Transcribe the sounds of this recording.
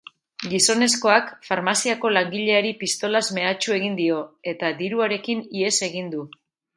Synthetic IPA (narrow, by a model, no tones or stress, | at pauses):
ɡiso̞ne̞sko̞akfaɾmasiako̞laŋɡiʎe̞aɾipist̪o̞lazme̞at͡ʃue̞ɣ̞ind̪io̞e̞t̪ad̪iɾuaɾe̞kinie̞se̞ɣ̞ind̪u